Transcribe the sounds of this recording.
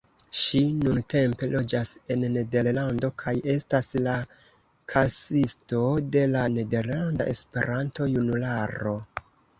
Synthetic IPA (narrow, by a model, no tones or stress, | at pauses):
ʃinunte̞mpe̞lo̞d͡ʒase̞nːe̞de̞ɾlando̞kʰaje̞stasla | kʰasisto̞de̞lane̞de̞ɾlanda̰ʔe̞spe̞̰ɾʔanto̞junulaɾo̞